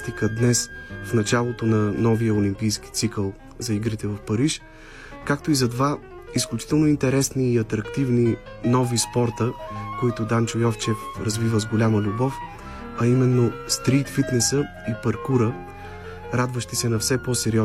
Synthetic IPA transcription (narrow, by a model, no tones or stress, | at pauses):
t̪ikəd̪nɛsfnɐt͡ʃalˠot̪onɐnɔvijəolʲimpijsk̟i̥t̪sikəlˠ | zɐiɡɾit̪ɛvɐfpɐɾiʃ | kakt̪oizɐt̪va | isklʲut͡ʃi̥t̪ɛlˠnoint̪ɛɾɛsniːɐt̪ɾɐkt̪ivninɔvispɔɾt̪əkoit̪ʊd̪ant͡ʃʊjɔft͡ʃɛfɾɐzvivəzɡolʲaməlʲubɔf | ɐimɛnːost̪ɾit̪fit̪nɛsə | ipɐɾkuɾə | ɾad̪vəʃt̪isɛnɐfsɛpɔsɛɾiɔ